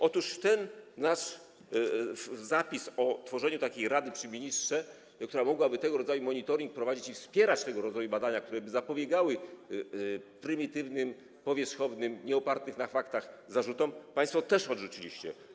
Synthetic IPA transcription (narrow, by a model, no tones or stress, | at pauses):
ʔɔt̪uʂt̪ɛnːaʂ | zapʲisɔt̪fɔʐɛɲut̪akʲejɾad̪ɘpʂɘmʲiɲistʂɛ | kt̪uɾamɔɡwabɘt̪ɛɡɔɾɔd̪zajumɔɲit̪ɔɾʲiŋk̚pɾɔvad͡ʑit͡ɕifspʲjɛɾat͡ɕt̪ɛɡɔɾɔd̪zajubad̪aɲak̚t̪uɾɛbɘzapɔbʲjɛɡawɘ | pɾɘmʲit̪ɘvnɘm | pɔvʲjɛʂxɔvnɘmɲɛɔpaɾt̪nɘxnafakt̪axzaʐut̪ɔmpaj̃st̪fɔt̪ɛʂɔd̪ʐut͡ɕilʲiɕt͡ɕɛ̰